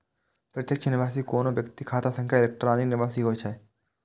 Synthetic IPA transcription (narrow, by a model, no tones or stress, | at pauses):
pɾət̪jəkt͡ʃʰənɪʋaːsiːkoːnoʋjɐkt̪ikʰaːt̪asə̃ŋkʰjaɪlek̚ʈəɾaːninɪʋaːsiːɦoːjt͡ʃʰa